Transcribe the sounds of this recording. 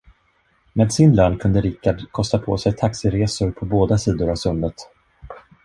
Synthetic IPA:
meːd̪sɪnløːnkʰɵnd̪əɾɪkːaɖkʰɔst̪apʰo̰ːsɛjt̪ʰaksɪɾeːsʊɾpʰɔboːd̪asiːd̪ʊɾavsɵmːət̪

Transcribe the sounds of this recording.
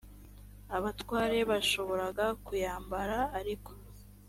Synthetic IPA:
aβatwaːɾe̞βaʃo̞βo̞ɾaɡakujaːmbaɾaːɾiko̥

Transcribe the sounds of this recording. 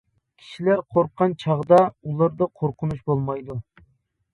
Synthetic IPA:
kʲʰi̥ʃilæɾqʰoɾqʰːɑnt͡ʃʰɑʁd̪ɑulˠɑɾd̪ɑqʰoɾqʰʊnuʃbolˠmɑjd̪u

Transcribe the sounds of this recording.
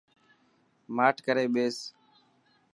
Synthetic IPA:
maːʈʰkəɾeːɓeːs

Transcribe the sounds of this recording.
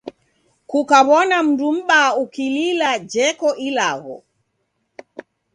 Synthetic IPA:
kukaβɔnam̩dum̩ɓaukililad͡ʒɛkɔʔilaɣɔ̰

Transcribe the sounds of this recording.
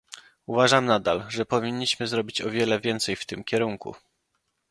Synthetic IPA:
uvaʐamnad̪alʐɛpɔvʲiɲːiɕmɘzɾɔbʲit͡ɕɔvʲjɛlɛvʲjɛnt̪sɛjft̪ɘmkʲɛɾuŋkṵ

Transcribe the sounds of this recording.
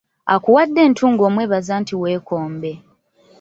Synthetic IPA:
a̰kuwadːe̞ːntʰuːŋɡo̞ːmwe̞ːβazaːntiwe̞ːko̞ːmbe̞

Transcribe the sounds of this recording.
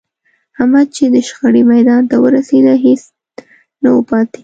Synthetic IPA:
hamad̪̚t͡ʃed̪əʃxəɽimajd̪ɑnt̪awəɾased̪aɦes | nawəpɑt̪e̥

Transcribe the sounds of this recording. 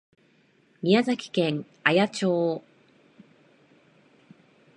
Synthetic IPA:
mʲiazakʲi̥kẽ̞ŋ | ajat͡ɕo̞ː

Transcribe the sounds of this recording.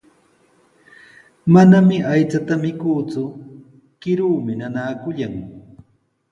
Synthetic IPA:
manamɪʔajt͡sat̪amɪkuːt͡sʊ | kɪɾuːmɪnanaːkʊʎaŋ

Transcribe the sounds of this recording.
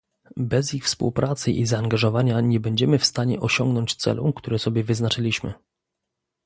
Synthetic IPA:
bɛzixfspṵwpɾʔat̪sɘʔizaːŋɡaʐɔvaɲaɲɛbɛɲd͡ʑɛmɘfst̪aɲɛʔɔɕɔŋɡnɔɲt͡ɕt̪sɛ̰lṵkt̪uɾɛsɔbʲjɛvɘznat͡ʂɘlʲiɕmɘ̰

